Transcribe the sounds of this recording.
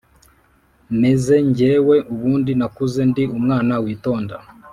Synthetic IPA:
me̞ze̞ɲɟeːwe̞ʔuβuːndinakuze̞ndiumŋaːnawiːto̞ːnda

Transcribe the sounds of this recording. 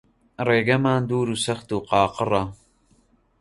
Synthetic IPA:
reːɡɐmaːnd̪uːɾuːsɐxt̪uːqɑːqɨrˤɑ

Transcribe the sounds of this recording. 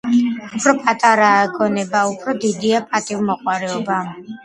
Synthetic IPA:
upʰɾɔpʼat̪ʼaɾaːɡɔnɛbaupʰɾɔd̪id̪iapʼat̪ʼivmɔqʼwaɾɛɔba

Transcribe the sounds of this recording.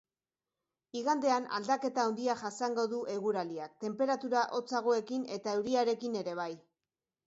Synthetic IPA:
iɣand̪e̞ana̰ld̪ake̞t̪aond̪iaʝasaŋɡo̞ðuʔe̞ɣuɾaliak̚t̪e̞mpe̞ɾat̪uɾaʔo̞t͡saɣ̞o̞e̞kine̞t̪ae̞wɾiaɾe̞kine̞ɾe̞β̞aj

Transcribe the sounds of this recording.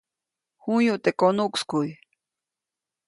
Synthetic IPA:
hujuʔt̪ekonukskuj

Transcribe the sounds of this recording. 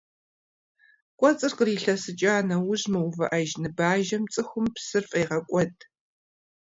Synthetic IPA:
kʷʼɔt͡sʼɨrqəriːɬɐsɨt͡ʃʼaːnɐwʊʑmɨwvɐʔɐʒnɨbaːʒɐmt͡sʼɨxʷʊmpsɨrfʼɐjʁɐkʷʼɔdʰʼ

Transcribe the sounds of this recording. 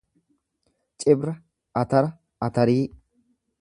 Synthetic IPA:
t͡ʃʼɪbɾɐ | ɐt̪ɐɾɐ | ɐt̪ɐɾiː

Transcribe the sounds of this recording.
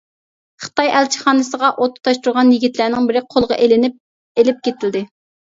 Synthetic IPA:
χə̥t̪ɑjælt͡ʃʰɪ̥χɑːnɨsəʁɑʔot̪ʰːt̪ʰɑʃt̪uɾʁɑnjiɡʲit̪ʰlænɪŋbɪɾɪqʰolˠʁɑ̰ʔelɪnɪp̚ | elɪp̚kʲet̪ʰɪld̪ɪ

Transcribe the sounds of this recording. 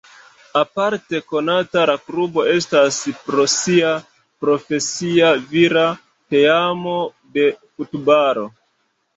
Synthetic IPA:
apaɾte̞ko̞nataɾakɾubo̞e̞staspɾo̞sia | pɾo̞fe̞siaviɾa | te̞amo̞ | de̞futbaɾo̞

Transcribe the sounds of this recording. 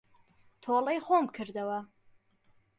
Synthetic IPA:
t̪ʰolˠɐjχoːmkʰɨɾd̪ɐwɐ

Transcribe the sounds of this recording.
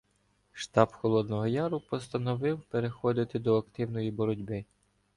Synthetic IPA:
ʃt̪ɑpxɔlˠɔd̪nɔɦɔjɑɾʊpɔst̪ɐnɔʋɪwpeɾexɔd̪ɪt̪ɪd̪ɔɐkt̪ɪwnɔjibɔɾɔdʲbɪ

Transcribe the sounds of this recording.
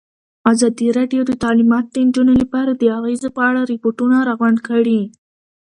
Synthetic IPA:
azɑd̪iɾɑɖijod̪ət̪ɑlimɑt̪̚d̪ənd͡ʒunolapɑɾad̪əaɣezepəaɽaɾɪpoʈunaɾɑɣwaɳɖkəɽi

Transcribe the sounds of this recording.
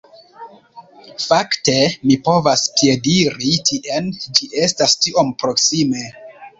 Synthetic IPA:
fakte̞mipo̞vaspje̞diɾitʰiʔend͡ʒiʔe̞stastio̞mpɾo̞ksime̞

